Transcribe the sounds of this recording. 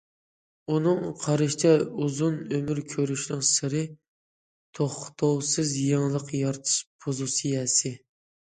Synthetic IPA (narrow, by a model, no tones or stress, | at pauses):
unɨŋqʰɑɾɨʃt͡ʃʰɛuzunømyɾkʲʰøɾyʃnɪŋsɨɾɨ | t̪ʰoχt̪ʰowsɨzjɑŋlˠəqjɑɾt̪ʰɨ̥ʃpʰozusɨjɛsɪ